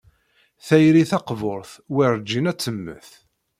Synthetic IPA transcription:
θæjɾiθɑqvoɾˤθwiɾˤd͡ʒːinæt͡sːəmːə̰θ

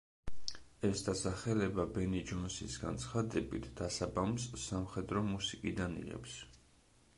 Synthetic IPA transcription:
ɛsd̪asaχɛlɛbabɛnid͡ʒɔnsisɡa̰nt̪sʰχad̪ɛbit̪ʰd̪̥asabamsːamχɛd̪ɾɔmusikʼid̪anḭʁɛ̰ps

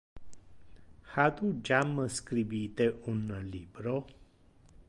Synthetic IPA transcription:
hat̪ud͡ʑamːəskɾibit̪eʔunːəlibɾo

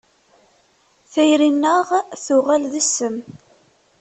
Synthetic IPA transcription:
θæjɾinːəʁθʊʁælðəsːəm

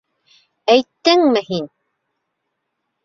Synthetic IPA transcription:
æjt̪ːɘŋmɘhin

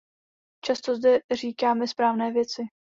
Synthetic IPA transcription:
t͡ʃast̪ozdɛriːkaːmɛspɾaːvnɛːvjɛt͡sɪ

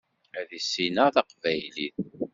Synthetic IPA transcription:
æðisːinəθɑqvæjlið

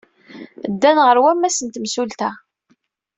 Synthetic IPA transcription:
d̪ːænʁəɾwæmːæsənt̪msult̪æ

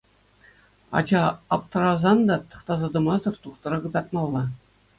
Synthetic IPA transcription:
ɑ̰d͡ʑɑɑp̚t̪ɤ̆ɾɑzɑnd̪ɑt̪ɤ̥̆χt̪ɑzɑd̪ɤ̆mɑzd̪ɤ̆rt̪uχt̪ɤ̆ɾɤɡɤ̆d̪ɑrt̪̚mɑlˠːɑ

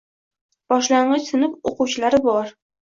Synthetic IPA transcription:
b̥ɒʃlaɴɢɨt͡ʃsɪnɪp̚oqʊwt͡ʃʰɪlaɾɪbɒɾ

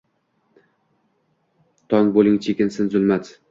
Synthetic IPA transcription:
t̪ʰɒŋbolˠɪŋt͡ʃʰekʲɪnsɪnzʊlˠmat͡s̪

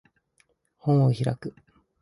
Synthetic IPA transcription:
hõɰ̃oçiɾakɯ̟

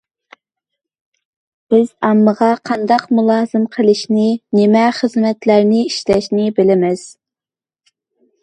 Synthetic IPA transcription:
b̥ɪz̥ɑmːəʁɑqʰɑnd̪ɑqmulˠɑːzɨmqʰəlˠɨʃnɪnɪmɛχəzmɛt̪læɾnɪiʃlɛʃnɪbɪlɪmɪz̥

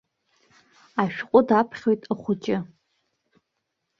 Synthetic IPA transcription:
aʃᶣqʷʼʊdapʰχʲo̞jtʼaχʷʊt͡ʃʼɪ

